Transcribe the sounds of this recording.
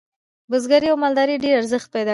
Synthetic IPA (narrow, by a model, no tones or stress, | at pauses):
bəzɡaɾiawmɑld̪ɑɾiɖeɾaɾzəxt̪̚pajd̪ɑ